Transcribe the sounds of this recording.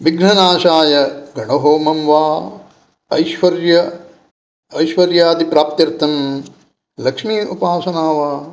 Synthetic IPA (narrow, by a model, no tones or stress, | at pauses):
ʋiɡnɐnaːʃaːjɐɡɐɳɐɦoːmɐmʋaː | ɐjʃʋɐɾjɐ | ɐjʃʋɐɾjaːd̪ipɾaːp̚t̪jɐɾt̪ʰɐm | lɐkʂmiːupaːsɐnaːʋaː